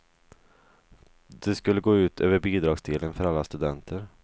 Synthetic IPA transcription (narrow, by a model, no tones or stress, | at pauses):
d̪̥ɛskɵlːəɡoːʉ̟ːt̪ʰø̰ːvəɾbiːd̪ɾɑːɡsd̪eːlənfœɾalːast̪ɵd̪ɛnt̪ʰəɾ